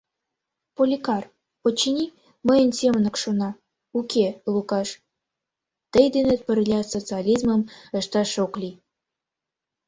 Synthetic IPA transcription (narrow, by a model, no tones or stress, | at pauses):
polʲikɑr | pot͡ɕːinʲi | məjənsʲemənə̆kʃonɑ | ukelukɑʃ | t̪əjd̪enet̪̚pə̆rlʲɑsot͡seɑlʲizmə̆mə̆ʃt̪ɑʃoklʲi